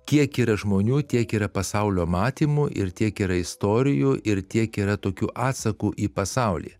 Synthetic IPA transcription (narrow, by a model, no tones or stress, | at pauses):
kʲiɛkiːɾɐʒmoːnʲuːt̪ʲiɛkiːɾɐpɐsɐʊlʲoːmɑːt̪ʲiːmuʔɪ̰ɾt̪ʲiɛkiːɾɐɪst̪oːɾʲɪjuːʔɪɾt̪ʲiɛkiːɾɐt̪oːkʲuːʔɑːt̪sɐkuːʔiːpɐsɑʊlʲḭː